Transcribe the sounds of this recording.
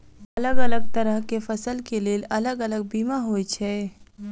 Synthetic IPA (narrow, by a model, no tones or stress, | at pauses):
ɐləɡələɡ̚t̪əɾəɦkefɐsəlkeleːlɐləɡələɡ̚biːmaɦoːjt͡ʃʰɛː